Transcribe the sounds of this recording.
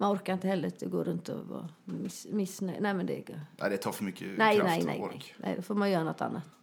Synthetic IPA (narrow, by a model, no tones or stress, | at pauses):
mɛnɔɾkəɾɪnt̪əhɛlːəɾɪt̪ʰɔɡo̰ːɾʉnt̪ɔ̰ʋɑ̰mɪsmɪsnɛnæɪmɛnd̪ɛ̰ɪkːəæ̰ɪd̪ɛt̪ʰɑfɔmʏkːənæɪnæɪnæ̰ɪ̰ɾɪnʔæ̰ɪd̪ɛfɔɾmɑɛɪjøːnɔt̪ːɑ̰nːət̪